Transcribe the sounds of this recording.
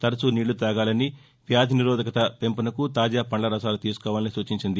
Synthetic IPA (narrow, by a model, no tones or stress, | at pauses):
t̪ɐɾɐsuniːɭːut̪aːɡaːlɐni | ʋjaːd̪ʱiniɾɔːd̪ɐkɐt̪ɐpe̞mpɐnɐkut̪aːd͡ʒaːpɐɳlɐɾɐsaːlut̪iːsu̥kɔːʋaːlɐnisuːt͡ʃiɲt͡ʃind̪i